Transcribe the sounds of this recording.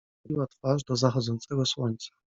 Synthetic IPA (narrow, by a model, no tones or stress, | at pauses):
iwat̪faʐd̪ɔzaxɔd̪zɔnt̪sɛɡɔswɔɲt̪sḁ